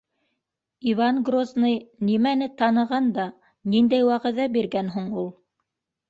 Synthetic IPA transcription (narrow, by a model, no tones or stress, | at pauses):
ivanɡroznɤjnimænɘt̪ɑnɤ̆ʁɑnd̪ɑ | nind̪æjwɑʁɘ̆ðæbiɾɡænɦuɴulˠ